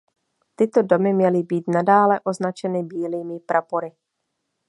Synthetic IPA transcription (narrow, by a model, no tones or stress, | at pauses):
t̪ɪt̪o̞do̞mɪmɲɛlɪbiːt̪nadaːlɛʔo̞znat͡ʃɛnɪbiːliːmɪpɾʔapo̞ɾɪ